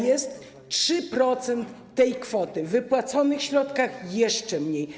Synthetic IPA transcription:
jɛst̪ | ʂɘpɾɔt̪sɛnt̪ːɛjkfɔt̪ɘvɘpwat̪sɔnɘxɕɾɔt̪kaxjɛʂt͡ʂɛmɲej

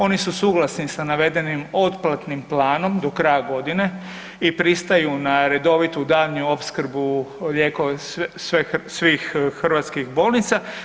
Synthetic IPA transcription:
o̞nisusuːɡlˠasnisanaʋe̞d̪e̞nimo̞t̪plˠat̪nimplaːno̞md̪o̞kɾajaɡo̞d̪ine̞ | ipɾist̪ajunaɾe̞d̪o̞ʋit̪ud̪aːʎɲuo̞pskɾ̩buʎeːko̞sʋesʋixːrʋat̪skixbo̞ːlˠnit̪sa

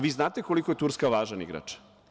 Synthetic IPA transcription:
ʋiːznaːt̪e̞koliko̞jet̪uɾskaʋaːʒanḭɡɾa̰t͡ʃ

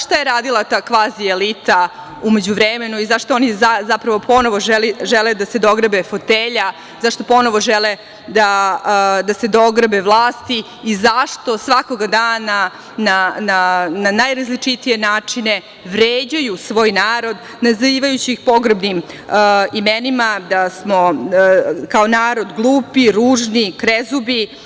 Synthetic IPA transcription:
ʃt̪ajeɾaːd̪ilˠat̪aːkʋaːzielit̪a | umed͡ʑuʋɾemenuizaʂt̪oonizazapɾɐʋo̞pʰo̞no̞ʋoʒɛliʒɛled̪ase̞d̪o̞ɡɾəbefot̪eːʎa | zaʂt̪o̞po̞no̞ʋo̞ʒele | d̪a | d̪ase̞d̪o̞ɡɾbevlˠaːst̪iː | zaʂt̪o̞sʋako̞ɡad̪aːna | nanananajɾazlit͡ʂit̪ije̞naːt͡ʂine | ʋɾeːd͡ʑajusʋo̞ːjnaːɾo̞d̪ | naziːʋajut͡ɕiixpo̞ɡɾbnim | imenimad̪asmo | kaonaːɾo̞d̪ɡlˠuːpiɾuːʒnikɾezubi

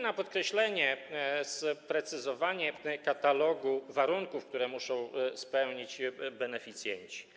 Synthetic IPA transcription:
napɔt̪̚kɾɛɕlɛɲɛspɾɛt̪sɘzɔvaɲɛkat̪alɔɡuvaɾuŋkufkt̪uɾɛmuʂɔ̃w̃spɛwɲid͡ʑbɛnɛfʲit̪sʲjɛ̰ɲt͡ɕi̥

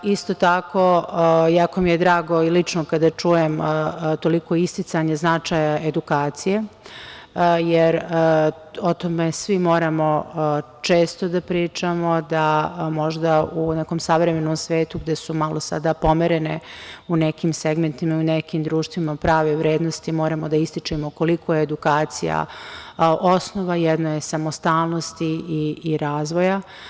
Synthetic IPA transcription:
ist̪ot̪akojakomijed̪ɾaːɡo̞ilit͡ʂnokad̪at͡ʂujemt̪oliko̞ist̪it̪saɲeznat͡ʃajaed̪ukaːt̪sije | jeɾ | ot̪omesʋimo̞ːɾamo̞ | t͡ʂeːst̪od̪apɾiːt͡ʂamo̞d̪amo̞ʒd̪auneko̞msaʋɾemenomsʋe̞ːt̪uɡd̪esumalˠo̞sa̰d̪apo̞meɾeneunekimseɡment̪imaiunekimd̪ɾuːʃt̪ʋimapɾaːʋeʋɾeːd̪nost̪imo̞ːɾamod̪aist̪it͡ʂemoko̞likojeːd̪ukaːt̪sḭja̰ | ʔosnoʋajɛd̪nojesamost̪aːlˠnost̪iiːɾaːzʋo̞ja

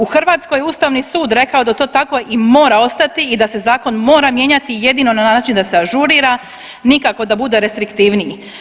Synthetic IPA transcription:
uxrʋaːt̪sko̞jeuːst̪aʋnisuːd̪ɾe̞kao̞d̪at̪o̞ːt̪ako̞ʔimo̞ːɾao̞st̪at̪iːd̪ase̞zaːko̞nmo̞ːɾamje̞ɲat̪ije̞d̪ino̞nanaːt͡ʃind̪aseaʒuɾiɾa | nikako̞d̪abud̪e̞ɾe̞st̪ɾikt̪iʋnii

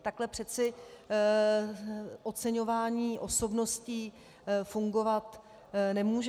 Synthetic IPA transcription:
t̪aklɛpr̥ɛt͡sɪ | ʔo̞t͡sɛɲo̞vaːɲiːʔo̞so̞bno̞sciː | fuŋɡo̞vat̪ | nɛmuːʒ

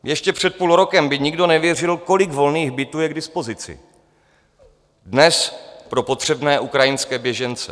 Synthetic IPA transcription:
jɛʃcɛpr̝̥ɛt̪̚puːlɾo̞kɛmbɪɲɪɡdo̞nɛvjɛr̝ɪlko̞lɪɡvo̞lniːɣbɪt̪uːjɛɡdɪspo̞zɪt͡sɪ̰ | dnɛspɾo̞po̞t̪r̝̥ɛbnɛːʔukɾajɪnskɛːbjɛʒɛnt͡sɛ̰

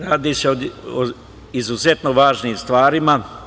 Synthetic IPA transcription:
ɾaːd̪iseoo | izuzet̪noʋaːʒniːmst̪ʋaːɾima

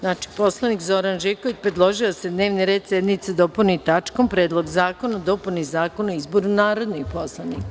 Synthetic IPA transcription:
znaːt͡ʃi̥po̞slˠanikzo̞ɾanʒekoʋit͡ɕpɾe̞d̪lˠo̞ʒiosed̪ne̞ːʋniɾe̞ːd̪sʲjed̪nit̪sed̪o̞punit̪at͡ʃko̞mpɾeːd̪lˠo̞ɡzaːkonad̪opunizaːko̞noizboɾunaːɾo̞d̪nipo̞slˠanik

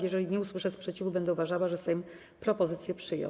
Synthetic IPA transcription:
jɛʐɛlʲiɲɛuswɘʂɛspʂɛt͡ɕivubɛnd̪ɛuvaʐawaʐɛsɛm | pɾɔpɔzɘt̪sʲjɛpʂɘjɔ̰̃

